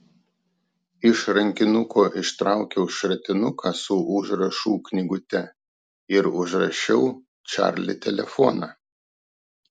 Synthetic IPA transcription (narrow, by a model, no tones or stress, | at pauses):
ɪʃɾɐŋʲkʲɪnʊkʰoːʔɪʃt̪ɾʔɑˑʊkʲɛʊʃʲɾʲɐt̪ʲɪnʊkʰɑsʊʔʊʒɾɐʃuːknʲɪɡʊt̪ʲɛ | ɪɾʊʒɾɐʃʲɛʊ | t͡ʃʲɑ̰ˑɾʲlʲɪ̰t̪ʲɛlʲɛfɔnɑː